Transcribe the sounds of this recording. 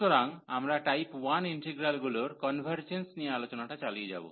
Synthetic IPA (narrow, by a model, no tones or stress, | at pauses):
ɔɾaŋamɾaʈajpwaniɳʈeɡɾalɡuloɾkɔnbʱaɾd͡ʒensnialot͡ʃɔnaʈat͡ʃalied͡ʒa̰bṵ